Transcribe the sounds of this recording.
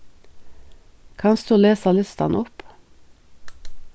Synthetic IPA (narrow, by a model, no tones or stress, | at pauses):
kʰɑnsd̪uːleːsɑlɪst̪ɑ̰nɔp